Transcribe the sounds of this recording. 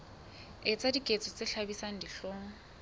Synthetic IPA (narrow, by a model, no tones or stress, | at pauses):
ɪt͡sʼadikʼet͡sʼɔt͡sʼɪɬabisaŋ̩diɬoːŋ̩